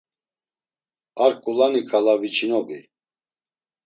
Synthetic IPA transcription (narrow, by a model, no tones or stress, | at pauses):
aɾkʼulanikʼalavit͡ʃʰʼinɔbi